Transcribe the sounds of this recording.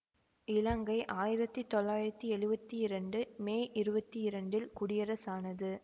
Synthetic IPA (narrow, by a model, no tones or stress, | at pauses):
ɪlɐŋɡɐɪʔaːjɪɾɐt̪ːit̪ɔlːaːjɪɾɐt̪ːiɛɻɯbɐt̪ːiɪɾɐɳɖɯmeːʔɪɾɯbɐt̪ːiɪɾɐɳɖɪlkʊɽɪjɐɾɐsaːnɐðɯ